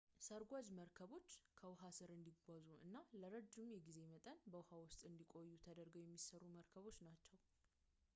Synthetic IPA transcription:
səɾɡʷad͡ʒməɾkʰəβo̞t͡ʃːkʰəwʊɦasɨɾɨnd̪iɡʷazuɨ̰nːaləɾəd͡ʒːɪmjɛɡize̞mət̪ʼənbəwʊhawʊst̪ʼɨnd̪ikʼo̞jːut̪ʰəd̪əɾɡəwjɛmːisərːuməɾkʰəβo̞t͡ʃːnat͡ʃːɛw

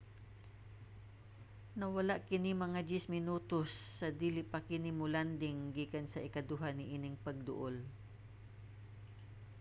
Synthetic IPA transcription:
nɐwɐlaʔkɪnimɐŋad͡ʒɪsmɪnuːt̪osːɐd̪iːlɪpakɪnɪmʊland̪ɪŋɡiːkansɐʔɪkad̪uɦanɪʔiːnɪŋpɐɡ̚d̪ʊ̰ʔol

